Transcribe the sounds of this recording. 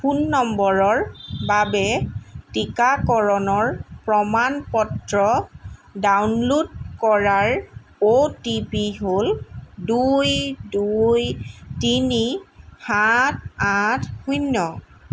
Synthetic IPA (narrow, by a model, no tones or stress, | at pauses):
xunːɔmbɔɹɔɹbabɛtikakɔɹɔnɔɹpɹɔmanpɔtɹɔdawnlud̚kɔɹaɹ | otipiɦoldujdujtinihat̚ʰatʰhujnːɔ